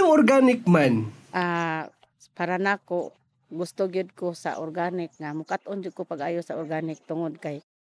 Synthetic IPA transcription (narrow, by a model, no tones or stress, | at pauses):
ʊŋɔɾɡanɪk̚manʔa | paɾanako | ɡʊst̪ʊɡiʊd̪̚kosa̰ʔorɡanɪk̚ŋamʊkat̪ʔʊnd͡ʒʊʔkʊpaɡajʊsaɔrɡanɪk̚t̪ʊŋʊd̪̚kaj